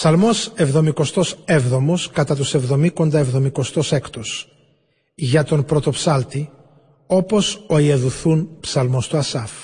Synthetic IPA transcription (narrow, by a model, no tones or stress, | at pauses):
psɐlmo̞se̞vðo̞miko̞st̪o̞sevðo̞moskɐt̪ɐt̪use̞vðo̞miko̞nd̪ɐevðo̞miko̞st̪o̞sekt̪os | ʝɐt̪o̞npɾo̞t̪o̞psɐlt̪i | o̞po̞so̞ieðuθunpsɐlmo̞st̪uɐsɐf